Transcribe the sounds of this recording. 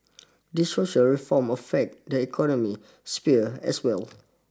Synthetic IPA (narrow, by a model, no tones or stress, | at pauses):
disːoʃəlɹifɔ̃məfɛk̚dəikʰɔnɔmi | spiɛ̰swɛl